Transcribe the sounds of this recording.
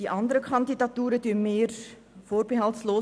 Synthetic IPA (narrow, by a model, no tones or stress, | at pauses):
d̥iʔɑndəɾəkʰɑndidɑtuːɾədyːnmeːr | foːrb̥eɦɑltsloː